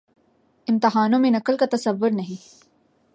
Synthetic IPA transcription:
ɪmt̪ɪɦaːnõmẽnɐkəlkat̪ɐsɐʋːʊɾnɐɦĩ

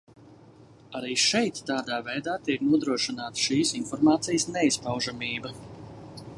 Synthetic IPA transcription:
aɾiːʃɛjt̪ːaːd̪aːvɛjd̪aːt̪iɛknuɔd̪ɾuɔʃinaːt̪ʃiːsinfɔɾmaːt̪sijsnɛispawʒamiːbɐ

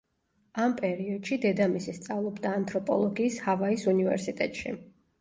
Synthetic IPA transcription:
ampʼɛɾiɔd̪̥ʃid̪ɛd̪amisist̪sʼavlˠɔbd̪aːnt̪ʼɾɔpʼɔ̰lˠɔɡiːshavaisunivɛ̰ɾsit̪ʼɛt̪ʼʃḭ

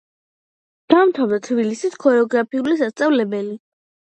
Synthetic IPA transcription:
d̪̥amt̪ʰavd̪at̪ʰbilisit̪ʰkʰɔɾɛɔɡɾapʰiulisast̪sʼavlɛbɛli

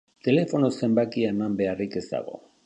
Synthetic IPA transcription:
t̪e̞le̞fo̞nose̞mbakiaemambe̞arike̞zt̪a̰ɣ̞o̞̰

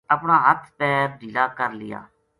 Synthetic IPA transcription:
əpɳãːɦət̪ʰpɛːp̚d̪iːlaːkəɾlɪ̰ja̰ː

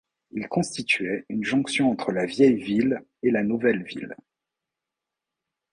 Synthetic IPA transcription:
ilkɔ̃st̪it̪ɥɛynʒɔ̃ksjɔ̃ɑ̃t̪χəlavjɛjvil | elanuvɛlvḭl

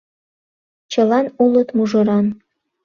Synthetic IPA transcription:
t͡ɕɤ̆lɑnulˠɤt̪muʒɤ̆ɾɑn

